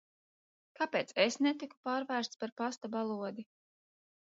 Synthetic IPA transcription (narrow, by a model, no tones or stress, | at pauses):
kapeːt̪sesnet̪iku̥paːɾvæːɾst̪spaɾpast̪abalˠuɔd̪i